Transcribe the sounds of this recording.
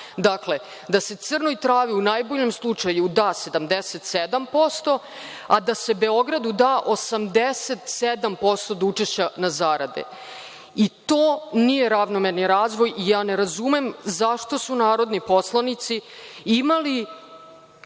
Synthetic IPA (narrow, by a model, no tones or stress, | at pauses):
d̪akle̞ | d̪ase̞t̪sr̩nojt̪ɾaːʋiunaːjboʎe̞mslˠut͡ʂajud̪aːse̞d̪amd̪eset̪sed̪ampo̞st̪o̞ | ad̪ase̞be̞o̞ɡɾad̪ud̪aːʔosamd̪eset̪sed̪ampo̞st̪o̞d̪ut͡ʃeʃt͡ɕanazaɾad̪ḛ | it̪oːnije̞ɾaʋnomeɾniɾaːzʋo̞jijaːneɾazumemzaʃt̪o̞sunaːɾo̞d̪nipo̞slˠanit̪siimali